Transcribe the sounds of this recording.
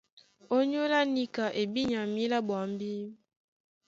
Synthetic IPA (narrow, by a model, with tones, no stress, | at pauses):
o˦ɲo˦la˦ni˦ka˨ʔe˨bi˦ɲa˨mi˦la˦ba˨˦m˦bi˦